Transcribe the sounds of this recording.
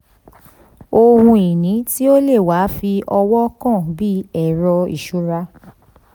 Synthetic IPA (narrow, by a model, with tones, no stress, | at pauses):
o˧hũ˧i˨nĩ˨˦ti˦o˦le˦˨wa˨˦fi˧ʔɔ˧wɔ˦kã˦˨bi˦ɛ˦˨ɾɔ˧ḭ˨ʃu˨˦ɾa˧˦